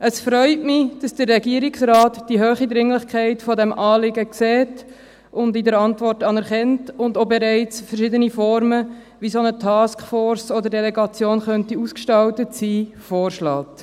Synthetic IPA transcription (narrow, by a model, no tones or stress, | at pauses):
ʔəsfɾœʏtmɪd̥ɑsd̥əɾːɛɡiəɾɪksɾɑːtd̥iɦøːχid̪ɾɪŋlɪχkʰæɪtfɔdɛmʔɑːlɪɡəksɛːt | ʊndidəɾɑntʋɔrtɑnɛɾχɛntʊndobɛɾɛɪt͡sfəɾʃɪdənifɔɾmə | ʋisonətʰɑːskfɔːɾsodəɾdɛlɛɡɑt͡sjoːnχœntiuskʃtɑwtətsiː | fɔːɾʃlɑːt